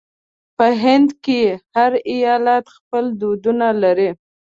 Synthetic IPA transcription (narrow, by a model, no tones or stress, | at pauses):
pəɦɪnd̪kejehaɾɪjɑlat̪xpəld̪od̪unalaɾi